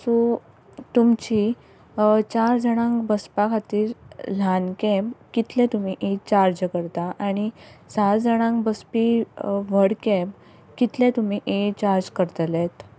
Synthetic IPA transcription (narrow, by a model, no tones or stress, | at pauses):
su | t̪umt͡ɕi | t͡ɕaɾd͡zəɽ̃ãŋkbəspakʰat̪iːɾl̤ankɛ̃mpkit̪lɛ̃t̪um̤iʔet͡ɕaɾd͡ʑkəɾt̪aʔañisad͡zəɽ̃ãŋkbəspiʋəɽkɛ̃mp | kit̪lɛ̃t̪um̤iʔet͡ɕaɾd͡ʑkəɾt̪let̪